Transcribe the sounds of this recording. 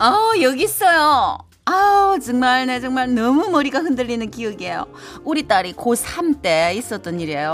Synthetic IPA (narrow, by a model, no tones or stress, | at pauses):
ʌjʌɡis͈ʌjo | at͡ɕɯŋmaɭnet͡ɕʌŋmaɭnʌmumʌɾiɡahɯndɯʎːinɯnkiɯɡiejo̰ | uɾit͈aɾikosʰamt͈eis͈ʌt͈ʌniɾiejo